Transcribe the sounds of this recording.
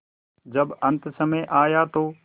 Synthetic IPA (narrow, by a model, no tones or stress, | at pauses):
d͡ʒɐbɐ̃nt̪sɐmẽʔaːjat̪oː